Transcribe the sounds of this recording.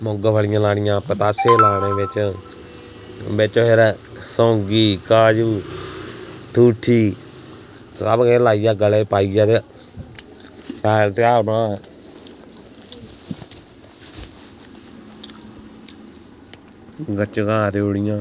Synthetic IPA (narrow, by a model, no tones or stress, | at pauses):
moɡəpʰəlɪjãːlaːɳɪjãːpət̪aːseːlaːñeːʋet͡ʃ | bet͡ʃoːɦeɾ | sõːɡiːkaːd͡ʒuː | t̪ʰuːʈʰiː | sabkeːlaːijaːɡəleːpaːijaːt̪e | aːlʈaːãː | ɡət͡ʃɡãːɾeoɽɪjãː